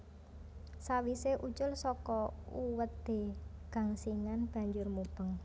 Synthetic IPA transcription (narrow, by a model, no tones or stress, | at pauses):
sawiseʔut͡ʃʊlsɔkɔuwət̪̚eɡ̥a̤ŋsiŋanb̥a̤ɲd͡ʒʊrmupəŋ